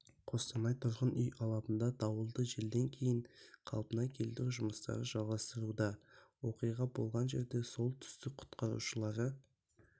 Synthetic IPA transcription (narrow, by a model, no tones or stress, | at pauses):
qʰo̞st̪ɑnɑjt̪ʰʊɾʁənʏjɑlˠɑpənd̪ɑd̪ɑwəlˠd̪əʒe̞ld̪e̞ŋkʲʰe̞jɪɴqʰɑ̰lˠpənɑkʲʰe̞lt̪ɾuʒʊməst̪ɑ̰ɾəʒɑlˠʁɑst̪əɾud̪ɑwo̞qijʁɑbo̞̰lˠʁɑnʒe̞ɾd̪e̞so̞lˠt̪ʰʏ̥st̪ɪk̚qʰʊ̥t̪qɑɾṵʃəlˠɑɾə